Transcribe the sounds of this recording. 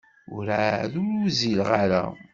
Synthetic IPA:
ʊɾaðʊɾuzilʁaɾa̰

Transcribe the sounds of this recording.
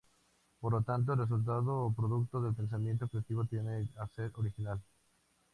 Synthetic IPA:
poɾlot̪ant̪̬oelres̬ult̪̬aðoːpɾoðuk̚t̪oðelpens̬amjẽnt̪̬ofet̪iβot̪jeneaseɾʔoɾixinal

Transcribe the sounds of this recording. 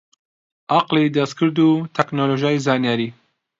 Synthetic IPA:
ʔɑqlid̪ɐst̪̚kʰɨɾd̪ut̪ʰɛknoloːʒijaːjizaːnijaːɾiː

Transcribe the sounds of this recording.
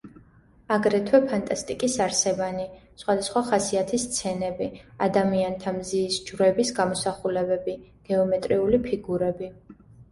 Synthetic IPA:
aɡɾɛt̪ʰwɛpʰant̪ʼast̪ʼikʼisaɾsɛvanisχwad̪asχwaχasiat̪ʰist̪sʰɛnɛbiad̪amiant̪ʰamziːsd͡ʒvɾɛbisɡamɔsaχulɛbɛbiɡ̥ɛɔmɛt̪ʼɾiulipʰiɡuɾɛbi

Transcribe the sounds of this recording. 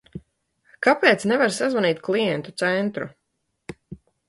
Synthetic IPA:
kapeːt̪snɛvaɾsazvaniːt̪̚klˠijɛnt̪ut̪sɛnt̪ɾu

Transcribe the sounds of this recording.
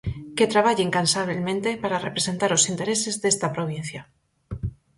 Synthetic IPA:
ket̪ɾaβ̞aʎeŋkansaβelmẽnt̪epaɾarepɾesent̪aɾosint̪eɾesezðest̪apɾoβ̞in̟θja

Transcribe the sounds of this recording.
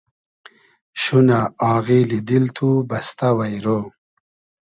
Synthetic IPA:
ɕunaɑːɣilid̪ilt̪ʰubɐst̪awɐjɾo

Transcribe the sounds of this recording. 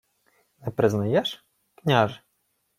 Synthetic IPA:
nɛpɾɪznɐjɛʃ | knʲaʒ

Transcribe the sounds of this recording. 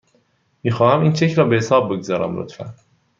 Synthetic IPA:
miːxɒːhæmiːnt͡ʃʰe̞cʰɾɒːbehesɒːb̚ːeɡzɒːɾæ̰mlo̰t̪ʰfæ̰n

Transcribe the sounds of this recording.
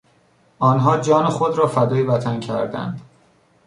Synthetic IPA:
ʔɒːnɦɒːd͡ʒɒːnexod̪ɾɒːfæd̪ɒːjivæt̪ʰæncʰæɾd̪æ̰nd̪̥

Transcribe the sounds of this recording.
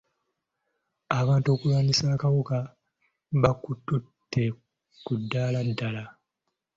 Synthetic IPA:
aβaːnto̞ːkulwaːnisaːkaβoka | βakutːutʰːe̞ | kudːaːladːala

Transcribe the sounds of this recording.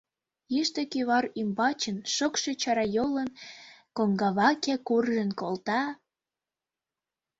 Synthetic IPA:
iʃt̪ə̆kiβɑrymbɑt͡ɕə̆nʃokʃet͡ɕɑɾɑjolənkoŋɡɑβɑkekurʒə̆nkolt̪ɑ

